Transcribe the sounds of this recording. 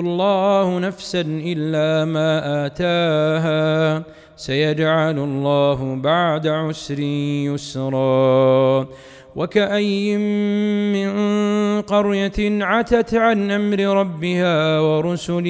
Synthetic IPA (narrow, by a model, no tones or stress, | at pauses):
lˤːɑːhʊnafsanʔɪlːaːmaːʔaːt̪aːɦaː | sajad͡ʒʕalʊlˤːaːɦʊbaʕd̪aʕʊsɾɪjʊsɾˤɑː | wakaʔajːɪmːɪnqɑɾjaʕat̪at̪ʕanʔamɾɪɾˤɑbːɪhaːwɑɾˤʊsʊlɪ